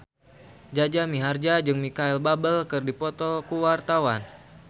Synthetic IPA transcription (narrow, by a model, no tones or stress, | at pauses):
d͡ʒad͡ʒamiɦard͡ʒad͡ʒɨŋmikaɛlbabəlkɨrdipɔt̪ɔkuwart̪awan